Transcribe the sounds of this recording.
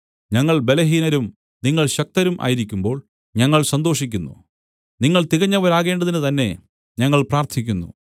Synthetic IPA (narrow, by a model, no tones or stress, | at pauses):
ɲɐŋːɐɭbe̞lɐɦiːnɐɾum | niŋːɐɭɕɐk̚t̪ɐɾumʔa̰ːjiɾikʲːumbo̞ːɭ | ɲɐŋːɐɭsɐnd̪o̞ːʂikʲːunːṵ | niŋːɐɭt̪iɣɐɲːɐʋɐɾaːɣe̞ːɳɖɐðinɨt̪ɐnːe̞̰ | ɲɐŋːɐɭpraːrt̪ʰikʲːunːṵ